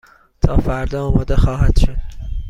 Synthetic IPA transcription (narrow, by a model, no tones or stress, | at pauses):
t̪ʰɒːfæɾd̪ɒːɒːmɒːd̪exɒːɦæd̪̥ʃod̪̥